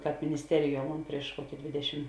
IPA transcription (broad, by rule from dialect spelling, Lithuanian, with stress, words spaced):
ˈkɑːp mʲɪnʲɪsʲˈtʲæːrʲɪˌjuɔ ˈmoːn ˈpʲrʲiɛʃ ˈkuɔkʲɪ ˈdʲʋʲeːdʲɛʃʲɪm